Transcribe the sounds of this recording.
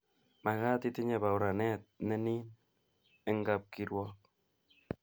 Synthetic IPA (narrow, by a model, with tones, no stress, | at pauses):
ma˨ɣa˦ti˦ti˦ɲɛ˨ba˨u˨ɾa˨nɛ˦t̪̚nɛ˦ni˦n | ɛ˦ŋɡap̚ki˦ɾwɔk̚